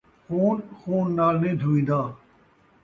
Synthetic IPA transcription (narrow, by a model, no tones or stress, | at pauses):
xuːnxuːnːaːlnẽːd̪ʱuːĩːnd̪aː